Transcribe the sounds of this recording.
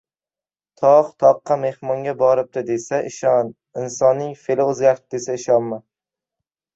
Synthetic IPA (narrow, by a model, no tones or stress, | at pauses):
t̪ʰɒqt̪ʰɒqːɑme̞hmɒŋɡʲabɒɾɪp̚d̪ɪd̪e̞saʔɪʃɒn | ɪnsɒnːɪŋfelaɵzɡʲaɾt̪ʰɪ̥p̚d̪e̞saɪʃɒnma